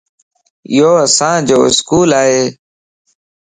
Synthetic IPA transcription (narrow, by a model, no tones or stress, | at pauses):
ɪ̰joːəsãːd͡ʒoːɪskuːlaːɦeː